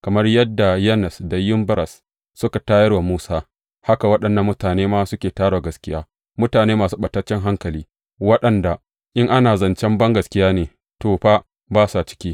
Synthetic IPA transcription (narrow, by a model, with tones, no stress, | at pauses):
kɐ˨mɐ˦rjɐ˦dːa˨jɛ˦nɛ˨sda˨jɪ˦mbɐ˦ɾɐ˨sː | ʊ˦ka˨taː˦jɐ˦rwa˨muː˦saː˦ | ha˦ka˨wɐ˦ɗɐ˨nːɐ˨mːʊ˦taː˨neː˦maː˦sʊ˦kʲeː˨taː˦ɽa˨ɡɐ˨skʲɪ˦jaː˦ | mʊ˦taː˨neː˦maː˨suː˦ɓɐ˨tːɐ˦t͡ʃːɛ˦ŋɦa˦ŋkɐ˨liː˦ | wɐ˦ɗɐ˨nda˨ | ʔɪ˦ŋʔa˦naː˨zɐ˨nt͡ʃɛ˦mbɐ˦ŋɡɐ˨skʲɪ˦jaː˦neː˨ | toː˨ɸa˦ | baː˦sa˨t͡ʃɪ̥˦kʲiː˦